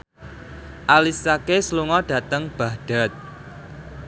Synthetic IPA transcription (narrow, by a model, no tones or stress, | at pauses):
ʔalisakesluŋɔɖ̥ä̤t̪əŋb̥a̤ɖ̥a̤t̪̚